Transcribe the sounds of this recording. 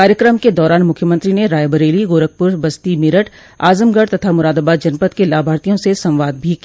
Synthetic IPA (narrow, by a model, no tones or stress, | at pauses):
kaːɾjəkɾəmked̪ɔːɾaːnmʊkʰjəmɐ̃nt̪ɾineɾaːjbəɾeːliɡoːɾək̚pʊɾbɐst̪imɪɾəʈ | a̰ːzəmɡəɖt̪ɐt̪ʰamʊɾaːd̪aːbaːt̪d͡ʒɐnpət̪kelaːbʱaːɾt̪ijõsesɐ̃mʋaːd̪̚bʱiki